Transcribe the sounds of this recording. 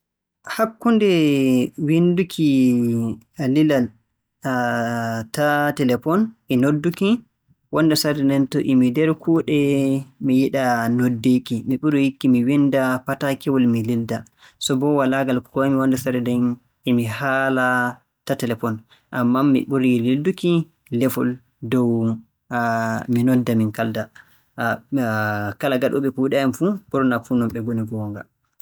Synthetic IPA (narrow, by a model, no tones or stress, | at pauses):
hakːundɛ | windukʰi | lilal | tatɛlɛfɔnʔɛnodːuki | wɔnːdasaɾɛdɛntɔʔimidɛɾkʰuɗɛmijiɗanodːekimiɓuɾijikːimiwindapatakɛwɔlmililda | sɔbɔwalaɡalkɔamiwandasaɾɛdɛn | imihaːla | tatɛlɛfɔn | ʔamːamḭɓuɾililduki | lɛfɔ̰l | dɔw | minɔdːaminkalda | kalaɡaɗɔ̰ɓɛkuɗaamfuɓɔɾnafunɔmɓɛɡoniɡɔŋɡa̰